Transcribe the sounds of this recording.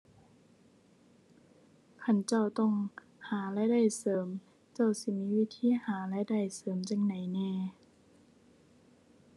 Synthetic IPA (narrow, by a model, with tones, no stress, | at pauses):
kʰa˧˩˨nt͡ɕa˧˩wt̪ɔ˧˩˨ŋ | haː˩˦lɛ˧˥da˧˩jsɤː˩˦m | t͡ɕa˧˩wsi˧˦˨miː˧˥˨wi˧˥t̪ʰiː˧˥˨haː˨˩˦lɛ˧˥da˧˩jsɤː˨˩˦mt͡ɕa˧˩ŋna˨˦jnɛː˧˩